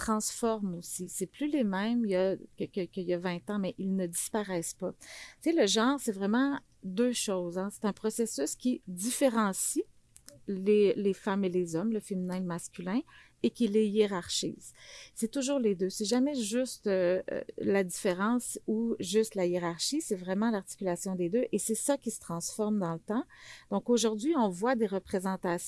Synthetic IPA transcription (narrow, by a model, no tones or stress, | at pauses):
t̪χɑ̃sfɔʁmosisɛplylemɛ̃mijakəkʲəkʲəijavɛ̃t̪ɑ̃mɛʔilnəd̪ispaʁɛːspat͡seləʒɑ̃ːʁsɛvʁɛmɑ̃ | d̪øːʃɔzɑ̃se̥t̪ɛ̃pχɔsesyskʲid̪ifeʁɑ̃si | lelefamelezɔmləfeminɛ̃maskʲylɛ̃ | ekʲilejeʁaʁʃḭzsɛt̪uʒuːʁled̪øsɛʒamɛʒyst̪ø̰lad̪ifeʁɑ̃ːsuʒyst̪lajeʁaʁʃisɛvʁɛmɑ̃laʁt̪i̥kʲylasjɔ̃d̪ed̪øʔesɛsakʲisə̥t̪χɑ̃sfɔʁmd̪ɑ̃lət̪ɑ̃d̪̥ɔ̃koʒuʁd̪ɥiɔ̃vwad̪eʁəpχezɑ̃t̪as